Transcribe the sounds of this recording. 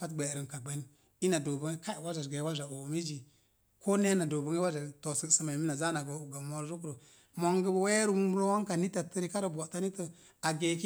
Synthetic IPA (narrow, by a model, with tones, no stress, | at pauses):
pa˦tɡ͡be˨ɾə˨nka˨ɡ͡be˨˦n | i˦na˨do˨bə˨ŋe˦ka˦˨wa˦a˨ɡe˨˦wa˦d͡ʒa˨o˨mi˦d͡ʒi˨ | ko˦ne˦na˨do˨bə˨ŋe˦wa˦d͡ʒa˨to˨sə˦˨sə˦ma˨i˨mi˦na˨za˦na˨ɡo˨ɡa˨mo˨˦ɾɾu˦k̬ɾo˨ | mo˨ŋɡə˦bwe˦ɾu˦u˦m˦ɾo˦wa˦ŋka˨ni˦ta˨tə˦ɾi˦ka˦ɾo˨bo˨ta˦ni˦tə˨ | a˨ɡe˨ki˦